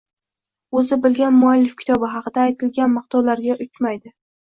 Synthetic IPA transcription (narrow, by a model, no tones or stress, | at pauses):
ɵzɪbɪlɡʲanmʊalːɪfkʲʰɪ̥t̪ʰɒbɪɦɑqɨd̪aːjt̪ʰɪlɡʲanmɨq̚t̪ʰɒwlaɾɡʲaʔʊt͡ʃmajd̪ɪ